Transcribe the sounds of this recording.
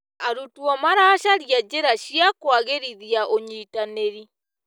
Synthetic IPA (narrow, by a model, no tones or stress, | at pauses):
aɾutwɔmaɾaːʃaɾijad͡ʒeɾaʃiakwaɣeɾiðiaʔoɲitaneɾi